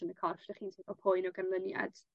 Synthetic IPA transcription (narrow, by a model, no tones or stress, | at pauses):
ənəkʰɔrfd̥aχiːnɔpʰojnɔɡanlˠənja̰d̥